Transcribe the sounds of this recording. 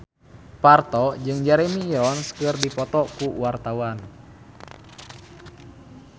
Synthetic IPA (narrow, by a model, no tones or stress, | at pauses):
part̪ɔd͡ʒɨŋd͡ʒaɾɛmiɾɔnskɨrdipɔt̪ɔkuwart̪awan